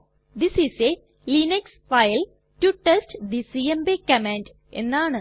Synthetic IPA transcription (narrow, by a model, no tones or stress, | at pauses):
d̪isise | liːnɐksfajl | ʈuʈesʈɖisiembekɐmanɖ | ʔḛnːaːɳɨ